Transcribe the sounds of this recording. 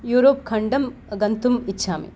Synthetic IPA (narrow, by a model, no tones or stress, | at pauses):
juːɾoːp̚kʰɐɳɖɐmɡɐnt̪umit͡ʃːʰaːmḭ